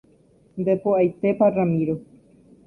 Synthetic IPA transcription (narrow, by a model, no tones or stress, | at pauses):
nd̪epoajt̪eparamĩɾo